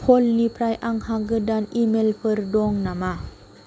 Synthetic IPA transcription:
pʰolnipʰɾajʔaŋhaɡɯdanʔimelfɯɾdoŋnama

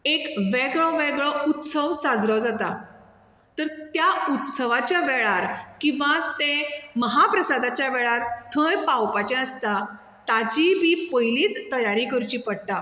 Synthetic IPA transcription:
ekʋɛɡɭɔʋɛɡɭɔut̪səʋsad͡zɾɔd͡zat̪a | t̪əɾt̪jaut̪səʋat͡ɕjaʋɛɭaɾkĩʋãt̪eməɦapɾəsad̪at͡ɕjaʋɛɭaɾt̪ʰəjpãwpat͡ɕɛ̃əst̪a | t̪ad͡ʑiʋipəjliːt͡st̪əjaɾikəɾt͡ɕiːpəɽʈ̪a

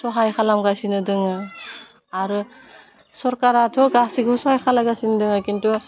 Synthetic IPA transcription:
sɔɦajkʰalamɡasinɯdɯŋɯ | aɾɯ | sɔɾkaɾatʰɔɡasiɡɔsɔhajkʰalaɡasinɯdɯŋɯkintɔ

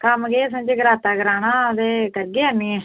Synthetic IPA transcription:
kəmɡeːs̬ə̃nd͡ʒeːɡəɾaːt̪aːɡəɾaːnaːət̪eːkəɾɡeːəniː

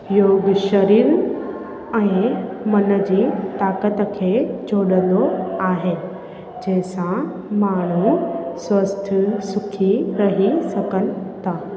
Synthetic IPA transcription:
joːɡʃɐɾiɾ | ɛ̃ːmɐnə̆d͡ʑiːt̪aːkət̪kʰeːt͡ɕʰoːɗə̃nd̪oaːɦe | d͡ʑɐ̃ɦɪ̃sã | maːɳ̤ũswɐst̪ʰsʊkʰiɾɐɦisɐɡənɪ̆t̪aː

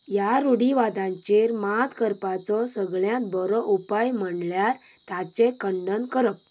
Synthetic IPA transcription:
jaɾuɽiʋad̪ãɲt͡ɕeɾmat̪kəɾpat͡sɔsəɡɭjãt̪̚bɔɾɔʔupajm̤əɳljaɾ | t̪at͡ɕẽkəɳɖənkəɾəp̚

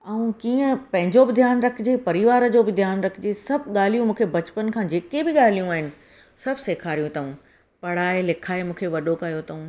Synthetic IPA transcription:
ɐũkiːə̃pɐ̃ɦɪ̃ɲd͡ʑobɪd̪ʱjaːnɾɐkʰɪd͡ʑeːpɐɾiʋaːɾəd͡ʑoːbɪd̪ʱjaːnɾɐkʰɪd͡ʑeːsɐbʱɠaːl̤ijũmũːkʰebɐt͡ɕpənkʰãːd͡ʑeːkebɪɠaːl̤ijũaːɦɪnɪ̆ | sɐbʱseːkʰaːɾijũt̪ɐɦũ | pɐɽ̤aːelɪkʰaːemũːkʰeʋɐɗokɐjot̪ɐɦũ

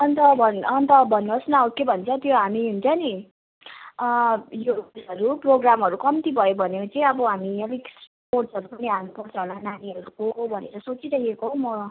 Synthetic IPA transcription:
ʌnt̪ʌbʱʌnʌnt̪ʌbʱʌnːuʌsnaokebʱʌnt͡sʰʌt̪joɦamiɦunt͡sʰʌni | jousʌɾuproɡramɦʌɾukʌmt̪ibʱʌjobʱʌnet͡sʌĩʌbʌɦamiʌlis | porsʌɾupʌniɦanupʌrt͡sʰʌɦolananiɦʌɾukobʱʌnḛɾʌsot͡siɾʌɦiekoɦomʌ

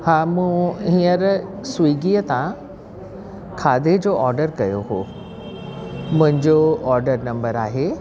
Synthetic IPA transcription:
hãːmũɦĩːəɾsʊiːɡiːət̪ã | kʰaːd̪ʱed͡ʑoːʔɔːɾɖəɾkɐjoɦoː | mʊ̃ɦɪ̃ɲd͡ʑoɔːɾɖəɾnɐ̃mbəɾaːɦe

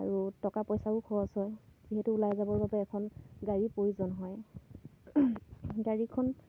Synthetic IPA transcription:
a̰ɹutɔkapɔjsaʊkʰɔɹɔsɔjz̥iɦetuːlajzabɔɹbabɛɛkʰɔnɡaɹipoɹizɔnɦɔj | ɡaɹikʰɔn

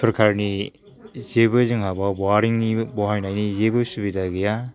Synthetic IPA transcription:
pʰɯɾkʰaɾni | zebɯzɯŋɦababɔaɾiŋnibɔɦajnajnizebɯsubidaɡɯja

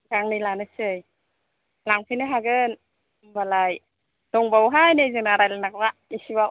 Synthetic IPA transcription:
ɡaŋnijlanɯsɯj | lamkʰɯjnɯɦaɡɯn | mbalaj | tɔŋbawɦajnɯjzɯŋnaɾajlanakbaisiba

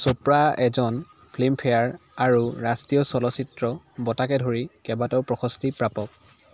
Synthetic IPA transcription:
sopɹaɛzɔn | pʰlimpʰejaɹaɹuɹastijɔsɔlɔsitɹɔ | bɔtakɛdʱoɹikɛbatɔpɹɔkʰɔstipɹapɔk̚

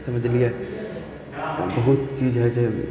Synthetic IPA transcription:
sɐməd͡ʒʱlije | t̪ɔ̰bəɦut̪t͡ʃiːzɦɛd͡ʒe

